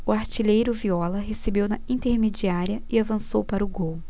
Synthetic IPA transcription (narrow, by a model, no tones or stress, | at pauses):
ʊaɾt͡ʃiʎejɾʊviɔlɐɦesebewnɐĩt̪eɾmed͡ʒiaɾiɐɪavɐ̃sowpaɾʊɡow